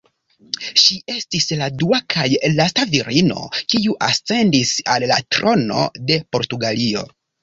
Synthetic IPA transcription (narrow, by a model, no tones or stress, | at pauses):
ʃiʔe̞stisladuakʰajlastaviɾino̞̰kiuʔast͡se̞ndisalːa̰tɾo̞no̞̰de̞po̞ɾtuɡalio̞̰